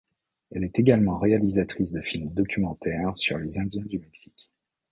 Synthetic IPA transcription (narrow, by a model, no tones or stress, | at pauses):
ɛlɛt̪eɡalmɑ̃ʁealizat̪χis̬d̪əfilmd̪ɔkʲymɑ̃t̪ɛʁsy̰ʁlezɛ̃d̪jɛ̃d̪ymɛksi̥k